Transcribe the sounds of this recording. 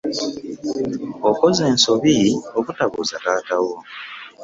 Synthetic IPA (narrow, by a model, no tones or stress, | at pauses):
oko̞ze̞ːnso̞βiokutaβuːzakaːtawo